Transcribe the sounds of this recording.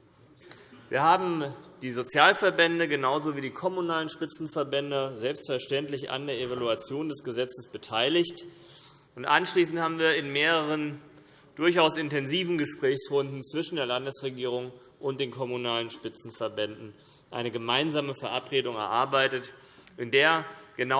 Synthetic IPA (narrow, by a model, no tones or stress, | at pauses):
viːɐhaːbm̩d̥iːzot͡sjaːlfɛɐbɛndəɡənaʊzoviːdiːkʰɔmunaːlənʃpɪt͡sn̩fɛɐbɛndəzɛlpstfɛɐʃtɛntlɪça̰ndeːɐevaluat͡sjoːndɛsɡ̥əzɛt͡səsb̥ətʰaɪlɪçt | ʊntʔa̰nʃliːsn̩thaːbm̩viːɐɪnmeːʁəʁ̞ən | d̥ʊɐçaʊsɪntɛnziːvn̩ɡəʃpʁ̥ɛːçsʁʊndn̩t͡sv̥ɪʃn̩deːɐlandəsʁ̥eɡiːʁ̞ʊŋ | ʔʊnt̚d̥eːnkʰɔmunaːlənʃpɪt͡sn̩fɛɐbɛndn̩ | ʔa̰ɪnəɡəmaɪnzaːməfɛɐʔapʁ̥eːdʊŋɛ̰ɐʔaɐbaɪtət | ʔɪndeːɐɡ̥əna